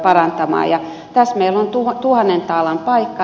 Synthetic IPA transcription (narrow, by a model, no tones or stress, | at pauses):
pɑrɑnt̪ɑmɑ̰ːjɑ | t̪æsmeilːont̪ut̪uhɑnːent̪ɑlɑmpɑikːɑ